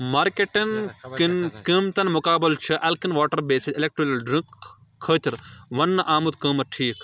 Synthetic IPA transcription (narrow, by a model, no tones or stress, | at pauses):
maːɾkeʈɐnknkimt̪ɐnmʊkaːbɐlt͡ʃʰɐʔɐlkinʋaːʈɐɾbeːsiɪlek̚ʈɾolɐlɖɾĩkʰː | əːt̪ʲiɾʋɐnːɐʔaːmut̪kəːmɐʈʰiːk